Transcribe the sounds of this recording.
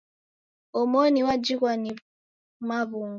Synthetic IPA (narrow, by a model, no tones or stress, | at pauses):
omoniwad͡ʒikʷani | mavʊŋ